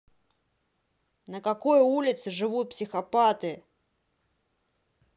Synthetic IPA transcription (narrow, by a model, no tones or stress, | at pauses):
nəkakojulʲɪt̪sɨʐɨvut̪̚psʲɪxɐpat̪ɨ